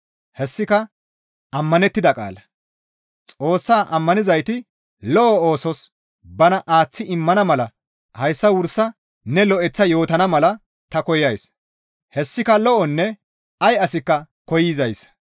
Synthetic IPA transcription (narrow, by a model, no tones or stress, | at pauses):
hɛsːɪkɐ | ɐmːɐnɛt̪ːɪd̪ɐkʼa̰ːlɐ | t͡sʼo̞ːsːaːʔɐmːɐnɪzɐjt̪ɪ | lɔʔɔo̞ːsɔs | bɐnɐʔaːt͡sːɪʔɪmːɐnɐmɐlɐ | hɐjsːɐwʊɾsːɐ | nɛlɔʔɛt͡sːɐjo̞ːt̪ɐnɐmɐlɐ | t̪ɐkɔjɐjs | hɛsːɪkɐlɔʔɔnːɛ | ɐjɐsɪkːɐ | kɔjɪzɐjs